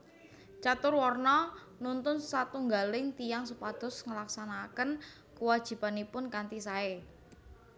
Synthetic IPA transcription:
t͡ʃat̪ʊrwɔrnɔ | nunt̪ʊnsat̪uŋɡalɪŋt̪ijaŋsupad̪̥ʊ̤sŋəlaksanakən | kuwad̥ʒ̥i̤pa̤nipʊnkant̪isae

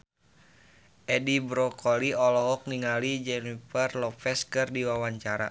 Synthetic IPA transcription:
ʔɛdibɾɔkɔliɔlɔɦɔk̚niŋalid͡ʒɛnifɛrlɔpɛskɨrdiwawaɲt͡ʃaɾa

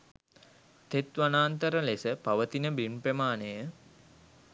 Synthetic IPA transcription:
t̪et̪ʋanaːnt̪əɾəlesəpaʋət̪inəbinpɾemaːnejə

